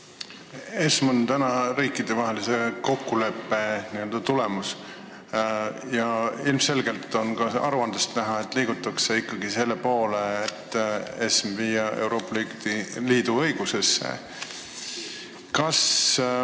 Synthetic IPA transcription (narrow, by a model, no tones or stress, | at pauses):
esmo̞nt̪ænɑɾiːkːˑid̪̥e̞vɑɦe̞lise̞ko̞kːule̞pːˑe̞niø̞ld̪̥ɑt̪ule̞mus | jɑilmse̞lɡe̞lt̪ːˑo̞nkɑɑ̰ɾuɑnd̪̥est̪næɦɑet̪ːˑliːɡ̥ut̪ːˑɑkse̞ikːɑɡise̞lːe̞po̞ːle̞ːt̪ːˑe̞smvijɑeuwɾo̞ːpːˑɑlit̪iliːd̪̥uɤ̞jɡ̥use̞sːḛ | kɑs